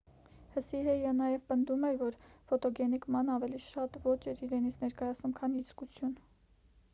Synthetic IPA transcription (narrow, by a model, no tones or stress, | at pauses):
həsiɦɛjɛnɑjɛvpənd̪umɛɾvɔɾfɔt̪ɔɡɛnikmɑnɑvɛliʃɑt̪vɔt͡ʃɛɾiɾɛnit͡sʰnɛɾkɑjɑt͡sʰnumkʰɑniiskut͡sʰjun